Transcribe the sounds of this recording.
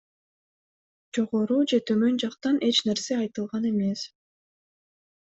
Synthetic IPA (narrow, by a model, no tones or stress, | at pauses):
d͡ʒo̞ʁo̞ɾud͡ʒe̞t̪ʰømø̞nd͡ʒɑqt̪ɑne̞t͡ʃne̞ɾse̞ɑjt̪ɯlˠʁɑne̞me̞s